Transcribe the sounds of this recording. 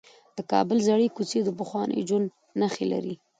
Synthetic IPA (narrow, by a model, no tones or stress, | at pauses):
d̪̥əkɑ̰bəlzaɽekut͡sed̪əpəxwɑnʔə̰jd͡ʒanː | axela̰ɾi